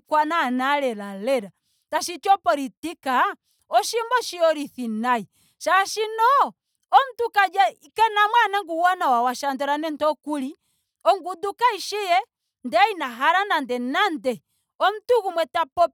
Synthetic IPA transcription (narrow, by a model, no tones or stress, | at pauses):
kwananalɛlalɛɾa | taʃit͡ʃɔpɔɾitika | ɔʃimbɔʃiɔɾiθinai | ʃaʃinɔ | ɔm̩tukad͡ʒa | kɛnamwanaŋɡuwɔnawawaʃandɔɾanɛntɔkuli | ɔŋɡudukaiʃijɛ | ndɛinaɦaɾanandɛnandɛ | ɔm̩tuɣumwɛtapɔp